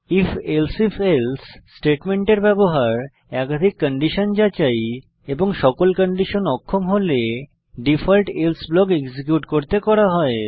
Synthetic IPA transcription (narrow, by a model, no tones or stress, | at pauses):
ifelsefelsːʈeʈmeɳʈeɾbɛboɦaɾ | ɛkad̪ʱikːəɳɖiʃond͡ʑat͡ɕaj | eboŋʃɔkolkəɳɖiʃonɔkʰːomɦole | ɖifʰalʈelsblɔkeɡd͡ʑikjuʈkoɾt̪ekɔɾaɦɔe